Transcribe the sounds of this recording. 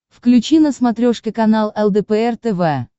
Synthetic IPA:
fklʲʉt͡ɕinəsmɐt̪ɾʲoʂkʲɪkɐnalˠɛlˠd̪ɛpɛɛrt̪ɛvɛ

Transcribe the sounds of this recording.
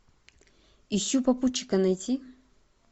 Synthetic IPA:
iɕʲːupɐput͡ɕːɪ̥kɐnɐjtʲi

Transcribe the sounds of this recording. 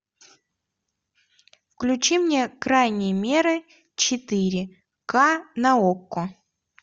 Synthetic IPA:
fklʲʉt͡ɕimnʲekɾajnʲɪjəmʲe̞ɾɨ | t͡ɕɪt̪ɨɾʲɪ | kanɐokːʊ

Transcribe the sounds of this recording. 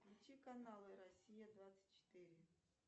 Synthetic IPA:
lʲʊtʲikɐnalˠɨɾɐsʲijəd̪vat̪sɨ̥tʲt͡ɕɪ̥t̪iɾʲɪ

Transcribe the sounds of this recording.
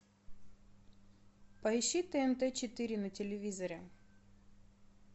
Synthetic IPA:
pɐɪɕːit̪ɛɛnt̪ɛt͡ɕɪt̪ɨɾʲɪnɐtʲɪlʲɪvʲizɐɾʲɛ

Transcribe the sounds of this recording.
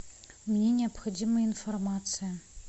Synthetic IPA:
mnʲenʲɪɐpxɐdʲiməinformat̪sɨjɐ

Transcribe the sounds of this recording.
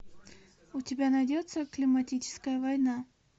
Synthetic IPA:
ʊtʲɪbʲanɐjdʲot̪səklʲɪmɐtʲit͡ɕɪ̥skəjəvɐjna

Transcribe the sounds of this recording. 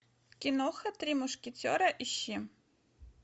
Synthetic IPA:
kʲinoxɐt̪ɾʲimuʂkʲet͡sʲo̰ɾɐʔiɕːi

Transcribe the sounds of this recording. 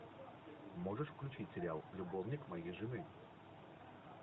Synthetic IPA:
mɔʐɛʂfklʲut͡ʃit͡sʲsʲeɾʲalˠlʲubɔwnʲikmajiʐɨnɨ

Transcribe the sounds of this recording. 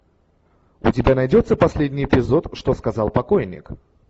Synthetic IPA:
ʊtʲɪbʲanɐjdʲo̞t̪sːəpɐsʲlʲedʲnʲɪjɪpʲɪzo̞t̪ʂt̪oskɐzɑlˠpɐkojnʲːɪ̰k

